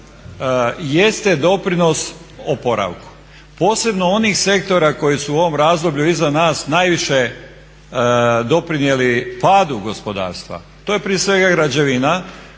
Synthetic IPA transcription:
je̞st̪e̞d̪o̞pɾino̞s | opo̞ɾʔa̰ʋku̥ | po̞ːse̞bno̞o̞niːxse̞k̚t̪o̞ɾako̞jisuuo̞ʋo̞mɾaːzd̪o̞bʎuizanaːsnajʋiʃe̞ | d̪o̞pɾinje̞lipaːd̪uɡo̞spo̞d̪a̰ːɾst̪ʋa̰ | t̪o̞ːje̞pɾie̞sʋe̞ɡaɡɾad͡ʑe̞ʋina

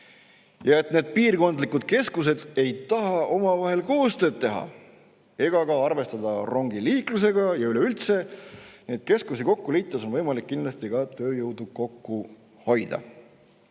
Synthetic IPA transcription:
jɑe̞t̪ˑne̞ːd̪̥̚piːrko̞nd̪likːud̪̥ke̞skuse̞d̪̥e̞jt̪ɑɦɑʔo̞mɑvɑɦe̞lko̞ːst̪ø̞ːd̪̚t̪ːe̞ɦɑ̰ | e̞ɡ̥ɑkɑɑrve̞st̪ɑd̪̥ɑro̞ŋɡ̥iliːklus̬e̞ɡɑjɑyleylt̪se̞niet̪̚ke̞skusiko̞kːuliːt̪ːˑɑso̞nvɤjmɑlikːinlɑst̪ikɑt̪ø̞ːjɤwd̪uko̞kːu | ho̞jd̪̥ɑ̰

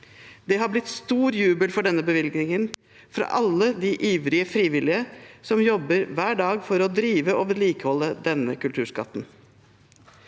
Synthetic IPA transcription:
d̪ɛɦɑɾblɪt̪st̪uːɾjʉːbəlfɔɖɛnːəbəʋɪlɡnɪŋən | fɾɑ̰ʔɑlːəd̪iʔiːʋɾɪəfɾiːʋɪlɪəsɔmjɔbəɾʋæːɖɑːɡfɔɾɔd̪ɾiːʋəʔoʋɛliːkəhɔlːəd̪ɛnəkʉlt̪ʰʉːʂkɑt̪ːn̩

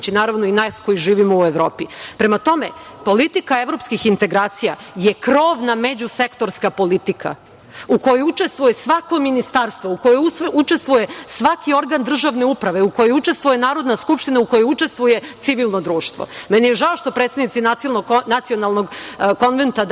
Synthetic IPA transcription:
t͡ɕinaːɾaʋnoinasko̞jiʒiːʋimoueʋɾoːpipɾe̞mat̪o̞me̞̰po̞lit̪ikaeʋɾo̞pskixint̪e̞ɡɾaːt̪sija̰je̞kɾo̞ːʋnamed͡ʑuse̞kt̪o̞ɾskapo̞lit̪ikʰa̰ | uko̞jout͡ʃe̞st̪ʋuje̞sʋako̞minist̪aːɾst̪ʋo̞ukojousut͡ʃest̪ʋujesʋakio̞ɾɡand̪r̩ʒaʋne̞upɾaʋeuko̞jout͡ʃe̞st̪ʋuje̞naːɾo̞d̪naskupʂt̪inauko̞jout͡ʃe̞st̪ʋuje̞t̪siʋilˠno̞d̪ɾuːʃt̪ʋo̰mɛnijeʒaoʃt̪o̞pɾet̪sed̪nit̪sininonat̪sionalˠnoɡko̞nʋent̪ad̪

